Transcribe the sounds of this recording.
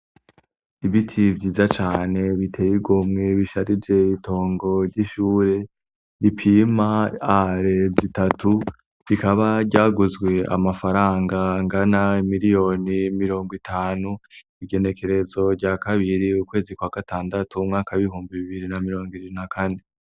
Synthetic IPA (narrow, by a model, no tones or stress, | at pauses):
iβitʰivɟiːzat͡ʃaːne̞βitʰejiɡumŋe̞βiʃaɾid͡ʒe̞ito̞ːŋɡo̞ɾɟiʃuːɾe̞ | dipʰimaaɾe̞zitatʰu | βikaβaɾɟaːɡuzɡwe̞a̰mafaɾaːŋɡaŋɡanaimiɾijo̞nimiɾo̞ːŋɡwitʰaːnu | iɡe̞ne̞kʰe̞ɾe̞zo̞ɾɟakaβiɾiukwe̞ːzikwaːɡ̥ataːndatʰumŋaːkaβiɦuːmbiβiβiɾinamiɾo̞ːŋɡwiβiɾinakane